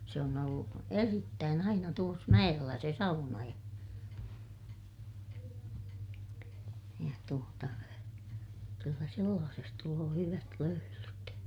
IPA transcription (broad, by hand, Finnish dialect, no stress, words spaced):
se on olːu eritːæːn ɑinɑ tuos mæj̆elːæ se sɑunɑ jɑ jɑ tuotɑ kylːæ selːɑːses tuloː hyʋæt løylyt